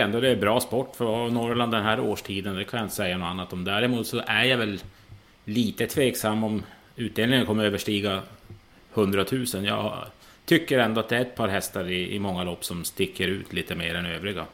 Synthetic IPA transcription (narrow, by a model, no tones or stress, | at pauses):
ɛnd̪ɔd̪ɛːbɾɑːspɔʈːfɔnɔɾland̪ɛnɦæːɾoːʂʈʰiːd̪ənd̪ɛkʰanjaɪnt̪ə̥sɛjːanɔanːat̪ɔmd̪æɾɪmuːt̪sɔʔæɾjavɛlː | iːt̪ət̪ʰveːksamːɔm | ʉ̟ːt̪̚d̪eːlɪŋənkʰɔmːəɾøːvəʂʈiːɡa | hɵnd̪ɾat̪ʰʉ̟ːsənjɑ̰ː | t̪ʰʏkːəɾɛnd̪ɔat̪d̪ɛæɾɛt̪̚pʰɑːɾɦɛst̪aɾɪɪ̰mɔŋːalɔpːsɔmst̪ɪkːəɾʉ̟ːt̪ʰliːt̪əmeːɾɛnøːvɾɪɡa̰